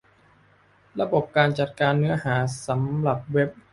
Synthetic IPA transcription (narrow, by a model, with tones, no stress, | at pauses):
ɾa˧bo˨˩p̚kaː˧nt͡ɕa˨˩t̪̚kaː˧nːɯ˦˥ɐhaː˩˦sa˩˦mɾa˨˩p̚we˦˥p̚